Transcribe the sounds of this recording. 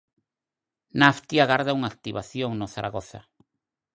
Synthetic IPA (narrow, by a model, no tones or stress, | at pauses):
naft̪iaɣaɾðauŋak̚t̪iβaθjoŋnoθaɾaɣoθa̰